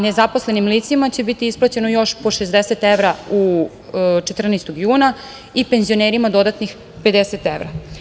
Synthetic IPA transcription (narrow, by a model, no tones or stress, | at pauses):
nezapo̞sle̞nimlit̪simat͡ɕe̞bit̪iisplˠat͡ɕe̞nojo̞ʃpo̞ʃezd̪eset̪eʋɾau | t͡ʃet̪r̩nest̪oɡjuːna | ipe̞nzijo̞neːɾimad̪o̞d̪at̪nix | pe̞d̪eset̪eʋɾa